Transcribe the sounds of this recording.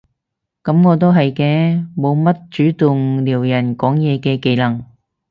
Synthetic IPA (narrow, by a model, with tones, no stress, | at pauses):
kɐ˨˥mŋɔː˨˧t̪̬o˥wɦɐ˨jkɛː˧mo˨˧wmɐ˥t̚t͡ʃyː˨˥t̪ʊ˨ŋliː˨˩wjɐ˨˩nkɔː˨˥ŋjɛː˨˧kɛː˧ke˨˧jlɐ˨˩ŋ